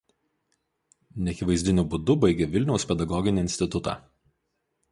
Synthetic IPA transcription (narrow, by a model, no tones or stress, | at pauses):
nʲɛɐkʲɪʋɐɪzʲd̪ʲɪnʲʊbʊd̪ʊbɐɪɡʲeʋʲɪlʲnʲɛʊspʲɛd̪ɐɡɔɡʲɪnʲiɪnʲsʲt̪ʲɪt̪ʊt̪ɑ̰ː